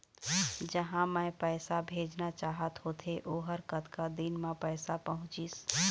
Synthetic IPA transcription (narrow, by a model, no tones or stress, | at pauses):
d͡ʒəɦãmɛ̃pɛːsabʱeːd͡ʒnat͡ʃaːɦət̪ɦoːt̪ʰeʔoːɦəɾkət̪kad̪ɪnmẽpɛːsapəɦʊ̃t͡ʃiːs